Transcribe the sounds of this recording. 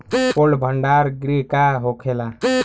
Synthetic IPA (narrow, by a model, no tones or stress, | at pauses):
polbʱəɳɖaɾɡɾikaɦokʰela